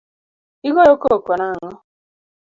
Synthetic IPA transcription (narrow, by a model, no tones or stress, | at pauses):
iɣojokokonaŋɔ